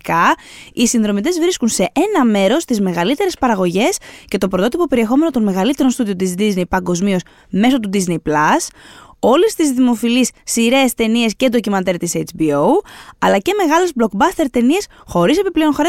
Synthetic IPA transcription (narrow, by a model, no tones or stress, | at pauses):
kɐisinðɾo̞mit̪e̞zvɾiskunse̞ʔenɐme̞ɾo̞st̪izme̞ɣɐlit̪e̞ɾe̞spɐɾɐɣo̞ʝe̞sce̞t̪o̞pɾo̞t̪o̞t̪ipo̞pe̞ɾie̞xo̞me̞not̪o̞nme̞ɣɐlit̪e̞ɾo̞nst̪uðiot̪izd̪iznejpɐŋɡo̞zmio̞s | me̞so̞t̪̬ud̪iznejplɐso̞lest̪izðimo̞filisːiɾe̞ːst̪e̞nie̞sce̞d̪ocimɐnt̪eɾt̪isejt͡ʃbiouɐlɐce̞me̞ɣɐle̞zblo̞kbɐst̪e̞ɾt̪e̞nie̞sxo̞ɾise̞piple̞onxoɾe